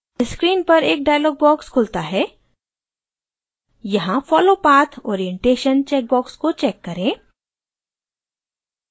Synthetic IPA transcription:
ɪskɾiːnpɐɾeːk̚ɖaːjlɔːɡ̚bɔːkskʰʊlt̪aɦɛː | jɐɦãfɔːloːpaːt̪ʰoːɾiẽɳʈeːʃənt͡ʃɛːk̚bɔːkskot͡ʃɛːkːɐɾẽː

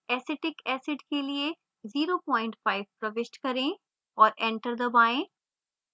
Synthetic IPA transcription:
ɛːsɛʈɪkɛːsɪɖkelie | ziːɾopɔ̃ːɪ̃ɳʈfaːɪʋpɾɐʋɪʃʈkɐɾẽ | ɔːɾɛ̃ːɳʈəɾd̪əbaːẽː

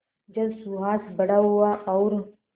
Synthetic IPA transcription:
d͡ʒɐbsuːɦaːt̪bɐɽaɦuaʔːɾ

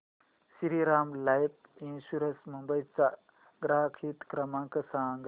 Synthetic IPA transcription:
siɾiɾaːmlajpinsuɾɐnsmumbɐjt͡sa | ɡɾaːkʰiːt̪kɾɐmãːŋkɐsaːŋɡ

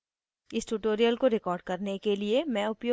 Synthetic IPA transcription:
ɪsʈuʈoːɾijəlkoɾɪkɔːɾɖ̚kɐɾnekeliemɛ̃ʊpjoː

